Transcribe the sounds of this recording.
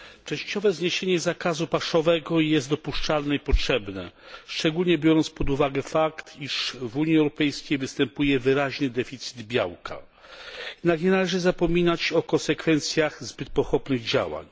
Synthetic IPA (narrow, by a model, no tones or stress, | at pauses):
t͡ʂɛ̃ɕt͡ɕɔvɛzɲeɕeɲɛzakazupaʂɔvɛɡɔjɛst̪d̪ɔpuʂt͡ʂalnɛipɔtʂɛbnɛ̰ʂt͡ʂɛɡulɲɛbʲjɔɾɔnt̪spɔd̪uvaɡɛfakt̪iʂvuɲiɛwɾɔpɛjskʲejvɘst̪ɛmpujɛvɘɾaʑnɘd̪ɛfʲit̪sɘ̥d̪bʲja̰wkʰa̰ | jɛd̪nakɲɛnalɛʐɘzapɔmʲinat͡ɕɔkɔnsɛkfɛnt̪sʲjaɣzbɘt̪̚pɔxɔpnɘɣd͡ʑa̰wa̰ɲ